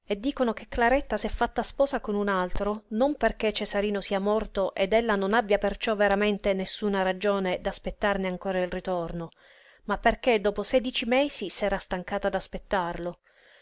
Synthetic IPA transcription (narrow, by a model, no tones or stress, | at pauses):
ed̪ːiːkonok̟ekːlaɾɛt̪ːasɛfːat̪ːaspɔːsakonunalt̪ɾonomperket͡ʃːesaɾiːnosiːamɔrt̪oʔed̪elːanonabːjapert͡ʃɔvːeɾament̪enesːunaɾad͡ʒoːned̪aspet̪ːarneaŋkoːɾailrit̪orno | mapːerked̪ɔːposɛːd̪it͡ʃimeːsisaɾast̪aŋkaːt̪ad̪aspet̪ːarlo